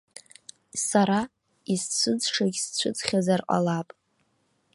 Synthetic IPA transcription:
saɾa | ist͡ɕʷʰɨd͡zʂaɡʲst͡ɕʷʰʊd͡zχʲazarqʼa̰lapʼ

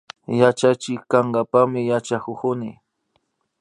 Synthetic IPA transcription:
jat͡ʃat͡ʃɪkaŋɡapamɪjat͡ʃakʊkʊnɪ̰

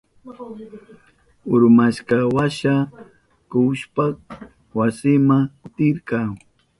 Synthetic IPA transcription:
ʊɾmaʃkawaʃa | kuʃpak | wasɪmaŋt̪ɪɾkɑŋ

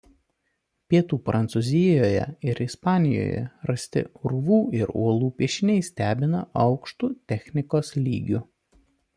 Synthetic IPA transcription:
pʲiɛt̪uːpɾʔɐnt̪suzʲɪjoːjɛ̰ɪɾɪspɑːnʲɪjo̰ːjɛ̰ɾɐsʲt̪ʲɪ̰ɾʊʋuːɪɾuɔlˠuːpʲiɛʃʲɪnʲɛɪsʲt̪ʲæːbʲɪnɐʔɒʊkʃt̪uːt̪ʲɛxʲnʲɪkoːslʲḭːɡʲʊ

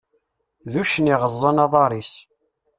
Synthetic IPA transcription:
ðuʃəniʁəzˤːənɑðˤɑɾˤis

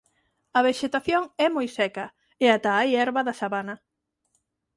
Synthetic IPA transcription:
ɐβeʃet̪aθjoŋɛmojsɛkɐ | eat̪aajɛɾβɐðɐsaβanɐ

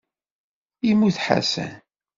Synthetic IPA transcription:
imːuθħa̰sæ̰n

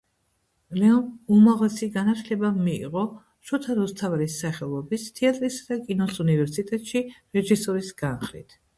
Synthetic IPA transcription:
lɛɔnumaʁlɛsiɡanat̪ʰlɛbamiḭʁɔ | ʃɔt̪ʰaɾɔst̪ʰavɾisːaχɛlˠɔbist̪ʰiat̪ʼɾisad̪̥akʼinɔsunivɛɾsit̪ʼɛt̪ʼʃiɾɛʒisɔɾisɡ̥anχlḭt̪ʰ

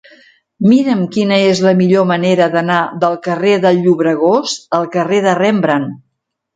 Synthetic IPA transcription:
miɾəmkinəezləmiʎoməneɾəðənaðəlˠkəreðəlʎːuβɾəɣ̞osəlˠkəreðərɛmbɾən

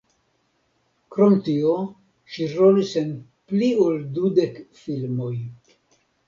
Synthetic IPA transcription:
kɾo̞mtio | ʃiɾolisenplioldude̞kfilmo̞j

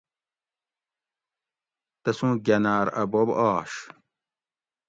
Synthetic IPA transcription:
t̪ɐsũːɡʲɐnaːɾɐbobaːɕ

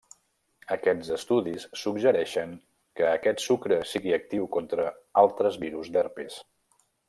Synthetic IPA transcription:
əkɛdzəst̪uðisːuɡʒəɾɛʃəŋ | kəːkɛt̪sukɾəsiɣiək̚t̪iwkɔnt̪ɾəalˠt̪ɾəzβiɾuzd̪ɛrpis

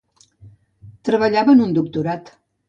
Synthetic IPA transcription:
t̪ɾəβəʎaβəːnund̪uk̚t̪uɾat̪

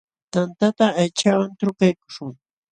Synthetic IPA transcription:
t̪ant̪at̪aːjt͡ʃawant̪ɾʊkajkʊ̥ʃʊŋ

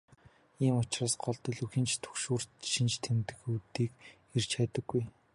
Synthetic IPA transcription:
iːmʊt͡ɕraːsɢɔɮt̪ɞ̆ɮuxĭnt͡ɕt̪ʰɵ̥xʃuːr̥ʃĭnt͡ɕt̪ʰemt̪ɘ̆xut̪iːk | er̥t͡ɕʰat̪ə̆ɡːuj

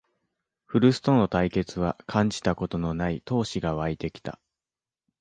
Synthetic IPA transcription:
ɸɯ̟ɾɯ̟sɨ̥t̪o̞no̞t̪aike̞t͡sɨβ̞akʰãɲ̟d͡ʑi̥t̪ako̞t̪o̞no̞nait̪o̞ːɕiɡaβ̞ait̪e̞kʲi̥t̪a̰

